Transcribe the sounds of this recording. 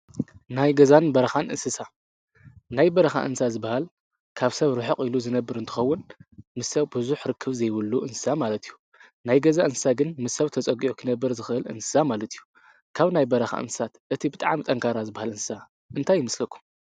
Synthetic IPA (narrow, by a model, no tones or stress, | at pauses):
najɡɐzanbɐɾɐxanʔɨ̰nsɨsa | najbɐɾɐxa̰ʔɨ̰nsazɨbːahal | kʰaβsɐβɾɨħɨqʼiluzɨnɐbːɨɾɨnt̪ʰɨ̥xɐwːʊnmɨsɐwbɨzuħɾɨkʰːɨβzɐjwɨlːuʔɨnsɨ̥samalɐt̪ʰijːu | najɡɐzaʔɨnsɨ̥saɡɨnmɨsːɐβt̪ʰɐt͡sʼɐɡiʕukʰɨnɐbːɨɾzɨxɨʔɨlʔɨ̰nsɨ̥samalɐt̪ʰijːu | kʰaβnajbɐɾɐxa̰ʔɨ̰nsɨ̥sat̪ʔɨt̪ʰibɨt̪ʼaʕmt̪ʼɐŋkʰaɾazɨbahalɨnsɨ̥sa | ʔɨnt̪ʰajːɪmɐslɐkʰːu̥m